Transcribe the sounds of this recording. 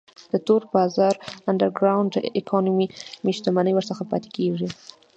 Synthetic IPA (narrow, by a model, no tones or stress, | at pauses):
d̪̥ət̪oɾbɑzɑɾanɖaɾɡɾawɳɖd̪əʔɪkʰɑnumimeʃt̪amanəjwəɾsəxapɑ̰t̪e̥keʐi